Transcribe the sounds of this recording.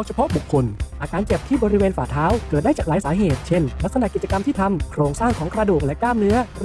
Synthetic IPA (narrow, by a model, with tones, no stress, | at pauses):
t͡ɕʰa˧pʰɔ˦˥ʔbu˨˩kʰːo˧nʔaː˧kaː˧nt͡ɕe˨˩p̚t̪ʰiː˥˩bɔː˧ɾi˦˥weː˧nfaː˨˩t̪ʰaː˦˥wkɤː˨˩t̪̚daː˥˩t͡ɕaː˨˩klaː˩˦saː˩˦ɦeː˨˩t̪̚t͡ɕʰe˥˩nla˦˥k̚sa˧na˨ʔki˨˩t͡ɕa˧ka˧mt̪ʰiː˥˩t̪ʰa˧mkʰɾoː˧ŋsaː˥˩ŋkʰɔː˩˦ŋkɾa˧duː˨˩k̚lɛ˦˥ʔklaː˥˩mnɯ˦˥ɐ